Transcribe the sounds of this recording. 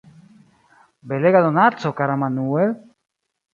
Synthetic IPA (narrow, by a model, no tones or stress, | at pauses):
beleɣaðonat͡sokaɾamanuel